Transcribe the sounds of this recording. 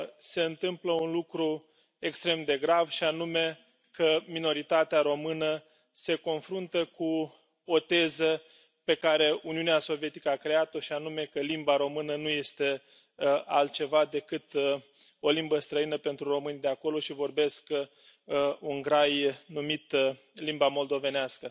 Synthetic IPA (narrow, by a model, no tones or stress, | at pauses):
se̞ɨnt̪ɨmpləunlukɾu | e̞kst̪ɾe̞md̪e̞ɡɾavʃianume̞ | kəmino̞ɾit̪at̪eaɾo̞mɨnə | se̞ko̞nfɾunt̪əku | o̞t̪e̞zə | pe̞kaɾe̞uniuneaso̞vije̞t̪i̥kəakɾe̞at̪o̞ʃianume̞kəlimbaɾo̞mɨnənuje̞st̪e̞ | alt̪̚t͡ʃe̞vad̪e̞kɨt̪ | o̞limbəst̪ɾəinəpe̞nt̪ɾuro̞mɨnʲd̪e̞ako̞lo̞ʃivo̞rbe̞sk | uŋɡɾajnumit̪ | limbamo̞ld̪o̞ve̞neaskə